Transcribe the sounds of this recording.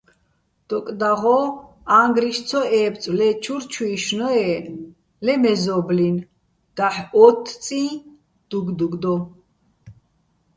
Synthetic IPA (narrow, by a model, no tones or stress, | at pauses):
d̪̥ɔkʼd̪aʁɔ | aŋɡɾiʃt͡sʰɔɛːpt͡sʼlɛt͡ʃʰuɾt͡ʃʰuiʃnɔɛ | lɛmɛzɔblin | d̪̥aħɔt̪ʰt͡sʼĩː | d̪̥uɡd̪uɡd̪ɔ